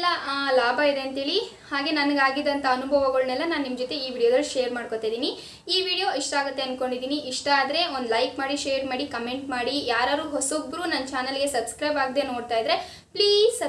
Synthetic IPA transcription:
lːɐlaːbʱaid̪e̞ɐnt̪iːɭi | haːɡe̞ːnɐnɐɡaːɡid̪ɐnt̪ʰɐɐnubʱɐʋɐɡɐɭnɛlːɐnaːnnimɐd͡ʒot̪e̞iːʋiːɽijod̪ɐɭːlːuʃejɐɾmaːɽkot̪aːjd̪iːni | iːʋiːɽijoiʂʈɐaːɡut̪ːe̞ɐnko̞ɳɖid̪iːniʔiʂʈɐːd̪ɐɾe̞o̞nd̪lɐjkmaːɽiʃeːɐɾmaːɽikɐme̞ɳʈmaːɽijaːɾaːɾuːɦosoːbɾuːnɐnt͡ʃaːnɐlɡe̞sɐbskɾɐjbaːɡid̪e̞no̞ːɽt̪aːjd̪ɾe̞ | pliːz

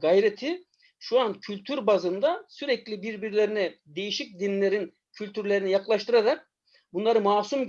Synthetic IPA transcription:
ɡajɾet̪ʰi | ʃuancʰylʲt̪ʰyɾbazɯnd̪asyɾɛclʲibiɾbiɾlʲeɾinɛd̪e̞jiʃic̚d̪inlʲeɾin | cʰylʲt̪ʰyɾlʲe̞ɾinijaklˠaʃt̪ɯɾaɾak̚ | bunlˠaɾɯmaːsum

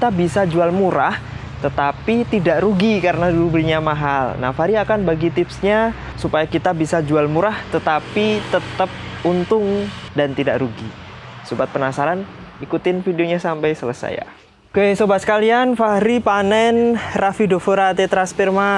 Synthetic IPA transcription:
kit̪abisad͡ʒualmuɾah | t̪ət̪apit̪idaʔɾuɡikaɾənadulubəliɲamaɦalna̰hfaɾiakanbaɡit̪ɪpsɲa | supajakit̪abisad͡ʒualmuɾaht̪ət̪apit̪ət̪əp̚unt̪ʊŋdant̪idaʔɾuɡi | sobat̪̚pənasaɾan | ikut̪ɪnfideoɲasampajsələsa̰ja̰ | okesobat̪sə̥kalianfaɾipanɛnrafidofuɾat̪it̪ɾanspirma

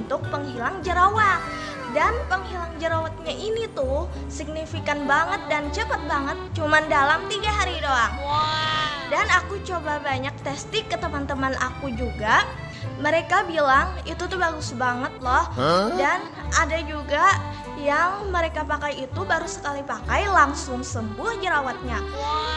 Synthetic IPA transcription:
nt̪ʊk̚pəŋhilaŋd͡ʒəɾawat̪̚ | danpəŋɦilaŋd͡ʒəɾawat̪̚ɲaʔinit̪u | sik̚nifikanbaŋət̪̚dant͡ʃəpat̪̚baŋət̪̚t͡ʃumandalamt̪iɡaɦaɾidoaŋ | danakut͡ʃobabaɲak̚t̪ɛst̪ɪkːət̪əmant̪əmanʔa̰kud͡ʒuɡa | məɾekabilaŋit̪ut̪ubaɡʊsbaŋət̪̚lɔhdan | adad͡ʒuɡa | jaŋməɾekapakajit̪ubaɾusə̥kalipakajlaŋsʊŋsəmbʊhd͡ʒəɾawat̪̚ɲa

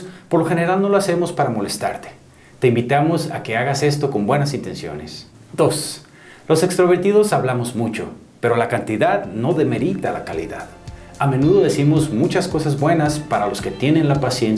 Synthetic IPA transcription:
po̞ɾloxe̞ne̞ɾalno̞loase̞mo̞spaɾamo̞lest̪a̰ɾt̪e̥ | t̪e̞imbit̪amo̞sa̰ke̞aɣase̞st̪o̞ko̞mbwe̞nasint̪e̞nsjo̞̰ne̞s | d̪o̞s | lo̞se̞kst̪ɾo̞βe̞ɾt̪iðo̞saβlamo̞zmut͡ʃo̞̰ | pe̞ɾo̞lakant̪iðaðno̞ðe̞me̞ɾit̪ala̰kalḭða̰ð | amẽ̞nuðo̞ðe̞simo̞zmut͡ʃasko̞sazbwe̞naspaɾalo̞ske̞t̪je̞nẽ̞nlapasjen

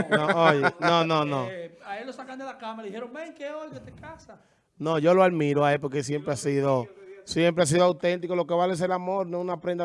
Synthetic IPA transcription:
nõojenõnõnõaelːosakand̪elakamaleðiheɾoŋbeŋkeolɣet̪ekasa | nõʝo̞loaðmĩɾoaep̬oɾkesje̞mpɾeasiðosje̞mpɾeas̬iðoawt̪e̞nt̪ikolo̞keβalees̬elamoɾnwesunapɾend̪a

